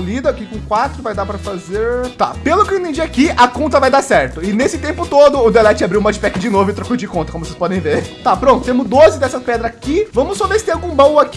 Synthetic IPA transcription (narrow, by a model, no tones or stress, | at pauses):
lid̪ɐakikõkwat̪ɾʊvajd̪apɾɐfazeɾt̪a̰pelʊkĩt̪ẽd͡ʒiakiɐkõnt̪ɐvajd̪asɛɾt̪ʊɪnesɪt̪ẽmpʊt̪od̪ʊːd̪elɛt͡ʃɪabɾiwmɔd͡ʒɪpɛkɪd͡ʒɪnovʊɪot̪ɾɐkojzɐd͡ʒɪkõt̪ɐkõmvosespɔd̪ẽj̃veɾt̪apɾõt̪ʊt̪ẽmʊzd̪ozɪd̪ɛsɐspɛd̪ɾɐakivɐ̃mʊssɔvesɪt̪ẽawɡũbõw̃ak